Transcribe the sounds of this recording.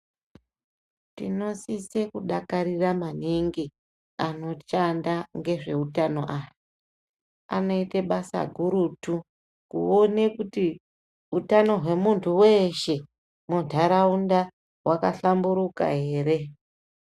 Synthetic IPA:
tino̞sise̞kuɗakaɾiramaniŋɡi | ano̞t͡ʃandaŋɡe̞ʐe̞utano̞ʔaja | a̰no̞iteɓasa̰ɡʱuɾutu | kṵo̞ne̞kuti | utano̞ɦwe̞muntʰuwe̞ʃe̞ | mundʱaɾaunda | wʔakaɬambuɾuka̰ɦe̞ːɾe̞

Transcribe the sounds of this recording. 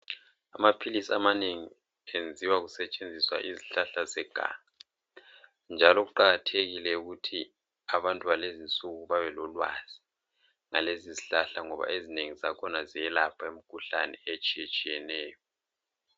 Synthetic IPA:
amapʰilisiamaneŋi | end͡zʱiwaɣusɛt͡ʃʼend͡zʱiswa̰ʔiziɬaɬazɛɡ̥ʱa̰ːŋa | nd͡ʒʱalɔɣuǃaɣatʰeɣilɛuɣutʰi | aβantʼuβalezint͡sʼuɣuβaβɛlɔlwa̰z̥i | ŋa̰leziziɬaɬaŋɔβa̰ezineŋizakʰɔnazijɛlapʰaem̩kʰuɬa̰nɛet͡ʃʼijet͡ʃʼijɛnɛːjɔ

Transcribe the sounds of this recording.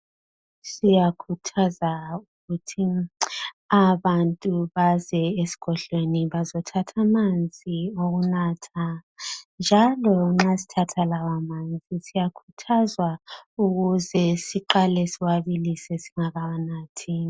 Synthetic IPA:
sijakʰutʰazauɣutʰi | aβantʼuβazɛesi̥kʰɔɬweniβazɔtʰatʰamand͡zʱioɣunatʰa | nd͡ʒʱalɔŋ͡ǁasi̥tʰatʰalawamand͡zʱisijakʰu̥tʰazwauɣuzɛsiǃalɛsiwaβilisɛsi̥ŋaɣawanatʰini

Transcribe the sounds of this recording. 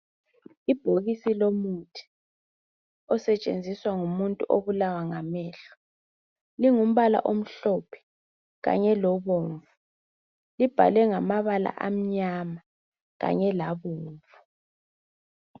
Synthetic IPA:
ib̥ʱoɣisilomutʰi̥ | ɔsɛt͡ʃʼḛnd͡zʱiswaŋumuntʼuʔoβulawaŋamɛːɬɔ̥ | liŋum̩βala̰ʔom̩ɬɔpʰɛ̥ | ɣa̰ɲɛlɔβoːɱvu | lib̥ʱa̰lɛŋamaβala̰ʔam̩ɲama | ɣa̰ɲɛlaβoːɱvu

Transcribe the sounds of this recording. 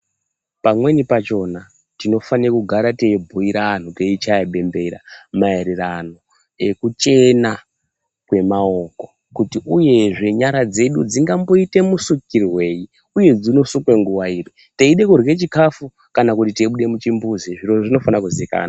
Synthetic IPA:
pamwe̞nipat͡ʃo̞na | tino̞fanirakuɡʱaɾateibʱuiɾaːn̤uteit͡ʃaaɓe̞mbe̞ɾa̰mae̞ɾeɾano̞ | e̞kut͡ʃe̞na | kwe̞mao̞ko̞ | kutiʔuje̞ʐe̞ɲaɾad͡ze̞ɗud͡ziŋɡambo̞ite̞musukirwe̞i | uje̞d͡zino̞sukwe̞ŋɡuwaiːri | teiɗe̞kurɣe̞t͡ʃikafu | kanakutiteɓuɗe̞mut͡ʃimbuziʐiro̞ʐino̞fanakuzika̰ːna

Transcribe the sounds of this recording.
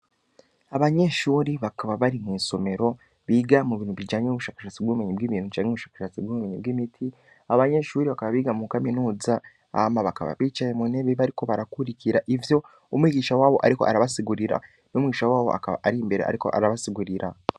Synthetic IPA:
aβaɲe̞ʃuːɾiβakaβaβaɾimiːnsome̞ɾo̞ | βiːɡamuβiːn̥huβid͡ʒaːɲenuβuʃaːkaʃaːt͡sibɡuβumeɲibɡiːβiːn̥hut͡ʃaːɲŋeβuʃaːkḁʃaːt͡sibɡuumeɲibɡiːmitʰi | aβaɲe̞ʃuːɾiβakaβaβiːɡamukaminuːza | amaβakaβa̰βiːt͡ʃajemuneβeβaɾiko̞βaɾakuɾiciɾaʔivjo̞ | umwiːɡiːʃawaːβo̞ʔaɾiko̞̰aɾaβasiɡuɾiɾa̰ | nomwiːʃawaːβo̞̰ʔa̰kaβa̰ʔaɾimbe̞ɾeʔa̰ɾiko̞̰ʔa̰ɾaβasiɡuɾiɾa

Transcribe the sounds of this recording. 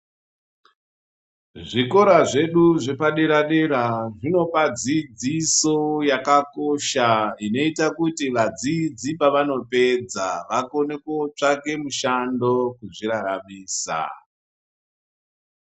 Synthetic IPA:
ʐiko̞ɾaʐe̞ɗuʐe̞paɗeɾaɗeɾaʐino̞pad͡zid͡zisojakako̞ʃaino̞itakutiʋad͡zid͡zipaʋano̞pe̞d͡zaʋakone̞kot͡ʂake̞muʃando̞kuʐiraɾamiːsa̰

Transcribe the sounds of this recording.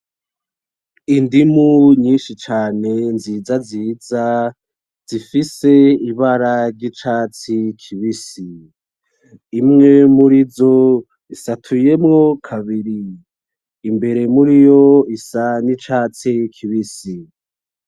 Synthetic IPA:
indimuɲiːnʃit͡ʃaːne̞nzizaziza | z̥ifise̞iβaɾaɾɟit͡ʃaːt͡sikʰiβisi | mŋe̞muɾizo̞ | isatʰuje̞mŋo̞kʰaβiɾiː | mbe̞ɾe̞muɾijo̞isanit͡ʃaːt͡sikʰiβisi

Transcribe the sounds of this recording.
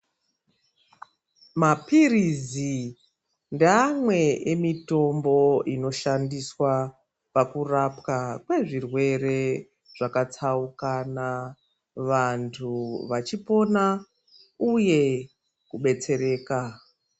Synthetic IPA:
mapirizi | ndamwe̞emito̞mbo̞ino̞ʃandiswa | pakurapkakwe̞ʐirwe̞re̞ | ʐ̥akat͡saukana | ʋantʰuʋat͡ʃipo̞na | uje̞ | kuɓe̞t͡se̞ɾe̞ːka

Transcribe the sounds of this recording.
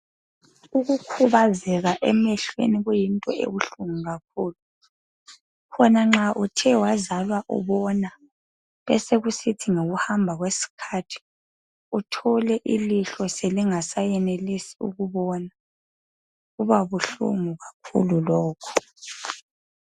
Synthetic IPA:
uɣukʰuβazɛɣaʔɛmɛɬwḛniɣujintʼɔ̰ʔḛβuɬuŋuɣak̚ʰuːlu | kʰɔnaŋ͡ǁaʔutʰɛwazalwaʔṵβɔna | βɛseɣusitʰiŋoɣuhambʱaɣwesi̥kʰatʰi̥ | utʰɔlɛʔiliɬɔseliŋasajɛnelisiṵɣuβɔna | ɣuβaβuɬṵŋuɣakʰṵlulɔːkʰɔ̥

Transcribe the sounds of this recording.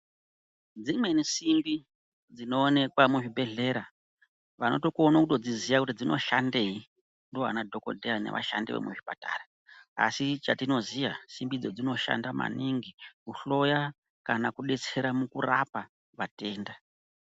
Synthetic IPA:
d͡zimwe̞nesimbi | d͡zino̞ːne̞kwamuʐibʱe̞ɮe̞ɾa | ʋano̞̰to̞kuonakuto̞d͡zizijakutid͡zino̞̰ʃande̞i | ndo̞ɦa̰nadʱo̞ko̞̰dʱeane̞̰ʋʔa̰ʃa̰ndiʋḛmuʐipata̰ːra | a̰sit͡ʃatino̞zijasimbid͡zo̞d͡zino̞ʃa̰ndama̰niŋɡikuɬo̞ja | kanakuɗe̞t͡se̞ɾamukura̰pa | ʋate̞ːnda

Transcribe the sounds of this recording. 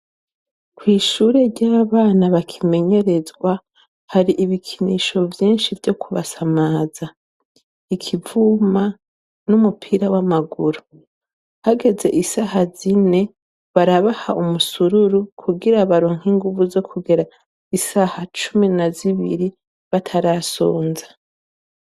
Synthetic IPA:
kwiːʃuːɾe̞ɾɟaːβaːnaβakʰime̞ɲe̞ɾe̞zɡwa | haɾiʔiβikʰiniʃo̞vjiːnʃivjo̞kʰuβasamaːza | ikʰivuma | numupʰiːɾawamaɡuɾu | haɡe̞ze̞̰ʔisahazine̞ | βaɾaβaha̰ʔumusuɾuɾukʰuɡiɾaβaɾoːŋ̥hiŋɡuvuzo̞kʰuɡeɾa | isaːhat͡ʃuminaziβiɾi | βatʰaɾasoːnzḁ

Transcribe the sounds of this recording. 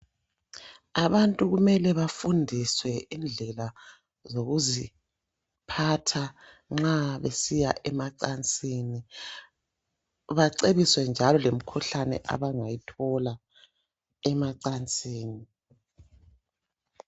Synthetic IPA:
aβantʼuɣumɛlɛβafundʱiswɛind͡ɮʱɛla | zoɣuzi | pʰatʰa | ŋ͡ǁaβesijaʔɛmaǀant͡sʼiːni | βaǀeβiswɛnd͡ʒʱalɔlem̩kʰuɬanɛ̰ʔa̰βaŋajitʰɔla | ɛmaǀant͡sʼiːni

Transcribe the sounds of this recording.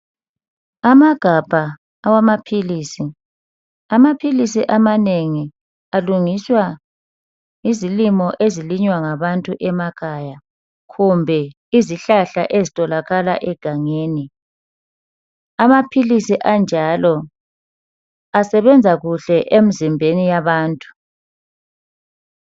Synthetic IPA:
amaɡ̥ʱab̥ʱaː | wamapʰiliːsi | amapʰilisiʔamaneŋi | aluŋiswa | izilimɔʔeziliɲwaŋaβantʼuʔɛmakʰaja | ɣumbʱɛ | iziɬaɬa̰ʔezitʼɔlaɣala̰ʔɛɡ̥ʱaŋeːni | amapʰilisiʔand͡ʒʱalɔ | asɛβɛnd͡zʱaɣuɬɛʔem̩zimbʱenijaβaːntʼu̥

